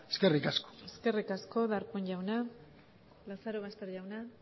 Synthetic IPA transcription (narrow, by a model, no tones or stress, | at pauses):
eskerikasko̥eske̞rikasko̞ðaɾpoɲʝawna | lasaɾoɣast̪e̞ɾʝawna